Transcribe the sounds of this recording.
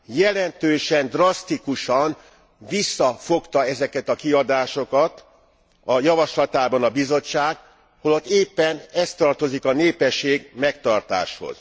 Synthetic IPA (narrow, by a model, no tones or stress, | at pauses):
jɛlɛnt̪øːʃɛnd̪rɒst̪ikuʃɒɱ | visːɒfo̞kt̪ɒɛzɛkɛt̪ɒkiɒd̪aːʃo̞kɒt̪ | ɒjɒvɒʃlɒt̪aːbɒnɒbizo̞t͡ʃːaːɡ | holot̪ːeːpːɛnɛst̪ɒrt̪o̞zikɒneːpɛʃːeːɡmɛkt̪ɒrt̪a̰ːʃho̰z̥